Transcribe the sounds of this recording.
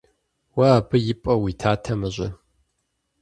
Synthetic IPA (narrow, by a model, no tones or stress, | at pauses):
wɐaːbɨjɪpʼɐwiːtʰaːtʰɐmɨʑɪ